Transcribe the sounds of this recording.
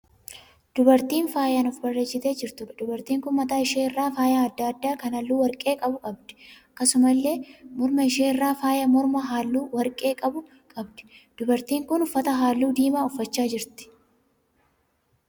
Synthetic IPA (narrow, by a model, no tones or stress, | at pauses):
d̪̥ʊbɐɾt̪iːnfaːjanʊfbɐrːeːt͡ʃːɪt̪e̞ːd͡ʒɪɾt̪ʊd̪ʊbɐɾt̪iːŋkʊnmɐt̪aːɪʃeːɪrːaːfaːjaːɐd̪ːad̪ːaːkɐnɐlːuːwɐɾkʼe̞ːkʼɐbʊkʼɐbd̪ɛ̥ɐkːɐsʊmɐlːe̞ːmɔɾmɐɪʃeːɪrːaːfaːjɐmɔɾmɐɦaːlːuːwɐɾkʼe̞ːkʼɐbʊ | kʼɐbd̪ɛ̥d̪̥ʊbɐɾt̪iːŋkʊnʊfːɐt̪ɐɦaːlːuːd̪iːmaːʊfːɐt͡ʃːaːd͡ʒɪɾt̪ɪ̥